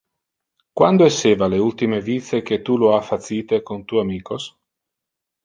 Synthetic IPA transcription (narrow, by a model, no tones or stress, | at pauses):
kwand̪oeseːvaleult̪imevit̪sek̟et̪ːuloafːat̪siːt̪ekont̪uːamiːkos